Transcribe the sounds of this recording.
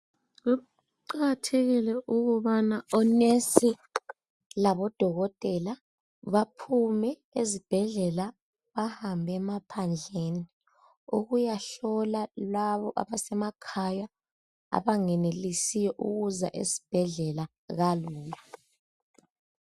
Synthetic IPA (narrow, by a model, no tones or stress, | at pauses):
ɣu | ǃaatʰɛɣilɛʔuɣuβanaɔnesi | laβɔd̥ʱɔɣɔtʼɛla | βapʰumɛ | ezib̥ʱɛɮɛla | βahambʱɛmapʰand͡ɮʱeni | uɣujaɬɔlalaβɔʔa̰βasɛmakʰaja | a̰βaŋɛnelisijɔʔṵɣuza̰ʔḛzi̥b̥ʱɛɮɛla | ɣaluːjɔ